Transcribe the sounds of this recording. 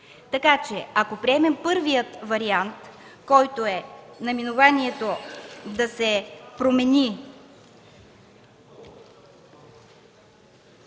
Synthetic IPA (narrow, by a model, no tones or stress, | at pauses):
t̪ɐkat͡ʃɛakopɾiɛmɛmpɤɾvijət̪vɐɾiant̪kɔjt̪oɛnɐminovaniɛt̪od̪ɐsɛpɾomɛnʲi